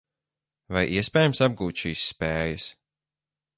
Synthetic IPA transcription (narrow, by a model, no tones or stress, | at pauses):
vajʔiɛspʲɛːjamsab̚ɡuːt̪ʲʃiːsːpɛːjɐs